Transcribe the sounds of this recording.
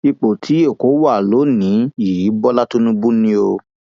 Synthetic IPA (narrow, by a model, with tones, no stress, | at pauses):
i˧k͡po˨tʰi˨˦e˦˨ko˨˦wa˦˨lo˨˦nĩ˨˦ji˨˦bɔ˦la˦tũ˦nũ˦bũ˦nĩ˦o˧